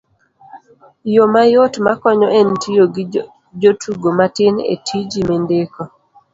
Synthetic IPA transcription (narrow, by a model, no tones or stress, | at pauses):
jomajotmakɔɲɔʔentijoɡɪ | d͡ʒotʰuɡomatɪnḛtʰid͡ʒimendeko